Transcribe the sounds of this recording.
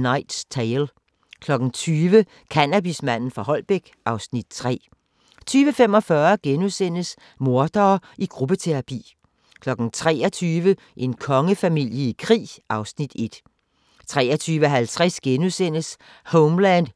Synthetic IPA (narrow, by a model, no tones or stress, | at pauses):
nɑ̈ɪd̥st͡sʰeɪl | kʰlɒ̽ɡ̥n̩t͡sʰyːʋə | kʰænæb̥ismæn̰n̩fɑ̈ɦɒ̽l̰b̥eɡ̥ʔɑ̈ʊsnid̥t͡sʰʁɛ̰ː | t͡sʰyːʋəfemɒ̽fɶɐɡ̥enusen̰əs | mo̝ɐd̥ɐːʔiɡ̥ʁub̥ət͡sʰe̝ʁɑpʰḭː | kʰlɒ̽ɡ̥n̩t͡sʰʁɛ̰ːɐt͡sʰyːʋə | ʔe̝nkʰɒ̽ŋəfæmil̰jəikʰʁḭːʔɑ̈ʊsnid̥e̝d̥ | t͡sʰʁɛ̰ːɐt͡sʰyːʋəɦælt͡sʰʁasɡ̥enusen̰əs | hoʊmlænd̥